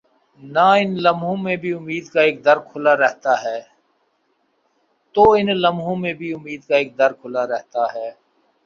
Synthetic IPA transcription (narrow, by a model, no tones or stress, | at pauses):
naɪnləmɦõmẽbʱiʊmiːd̪kaeːk̚d̪əɾkʰʊlaɾɛɦt̪aɦɛː | t̪oːɪnləmɦõmẽbʱiʊmiːd̪kaeːk̚d̪əɾkʰʊlaɾɛɦt̪aɦɛː